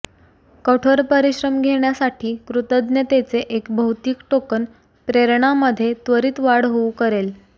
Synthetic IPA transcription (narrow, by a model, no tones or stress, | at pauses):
kəʈʰoɾpəɾiɕɾəmɡʱeɳjasaʈʰiːkɾut̪əd̪njət̪et͡seʔekbʱəwt̪iːkʈokən | pɾeɾɳaməd̪ʱːjet̪ʋəɾiːt̪ʋaɽɦoukəɾel